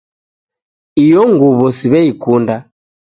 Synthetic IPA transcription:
ijɔŋɡuβɔsiβɛikunda

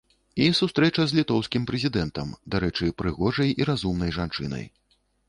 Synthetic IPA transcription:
isust̪ɾɛt͡ʂɐzʲlʲit̪ɔwskʲimpɾɛzʲid̪ɛnt̪ɐmd̪aɾɛt͡ʂɨpɾɨɣɔʐɐjiɾazumnɐjʐant͡ʂɨ̰nɐ̰j

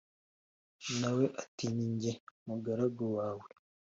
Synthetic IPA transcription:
naweʔatiɲiɲɟemuɡaɾaɡowaːwe

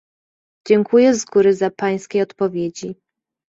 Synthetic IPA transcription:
d͡ʑɛŋkujɛzɡuɾɘzapaj̃skʲejɔt̪pɔvʲjed͡ʑi

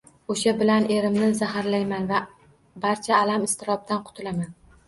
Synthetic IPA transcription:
oʃabɪlane̞ɾɪmnɪzahaɾlajmanva | baɾt͡ʃʰaːlamɪst̪ɪɾɒb̚t̪anqʰʊ̥t̪ʰɪlaman

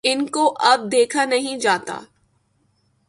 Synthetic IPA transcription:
ɪnkoʔɐb̚d̪eːkʰanɐɦĩd͡ʒaːt̪a̰ː

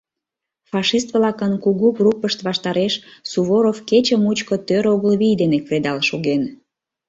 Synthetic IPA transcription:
fɑʃist̪vlɑkənkuɣuɡrupəʃt̪βɑʃt̪ɑɾeʃsuβoɾofket͡ɕəmut͡ɕkot̪øɾoɣəlβijd̪enekred̪ɑlʃoɣen

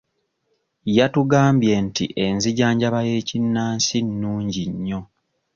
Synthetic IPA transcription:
jatuɡaːmbje̞ntḭʔe̞nziɟaːɲɟaβaje̞ːcinːaːnsinːuːɲɟiɲːo̞

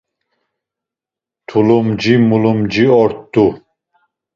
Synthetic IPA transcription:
t̪ʰulumd͡ʒimulumd͡ʒiɔɾt̪d̪u

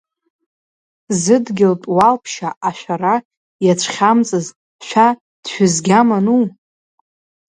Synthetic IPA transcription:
zɨdɡʲɪltʼwalpʰʃaʔaʃʷᶣara | jat͡ʃʷʰχʲamt͡sʼɨz | ʃʷᶣa | d̥ʃʷᶣʏzɡʲamanu

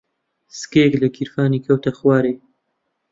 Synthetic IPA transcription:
sɨ̥keeklɐkʰiɾfaːniːkʰɐwt̪ʰɐxwaːɾeː

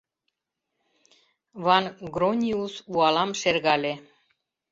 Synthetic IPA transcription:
βɑnɡɾonʲiusuɑlɑmʃerɣɑlʲe

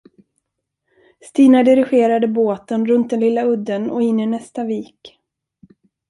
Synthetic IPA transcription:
st̪iːnaɖɪɾɪɧeːɾad̪əboːt̪ənɾɵnt̪̚d̪ɛnlɪlːaɵd̪ːənɔɪnːɪnɛst̪aviːk

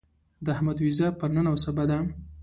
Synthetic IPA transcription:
d̪əahmad̪wizɑpəɾnənawosabad̪a

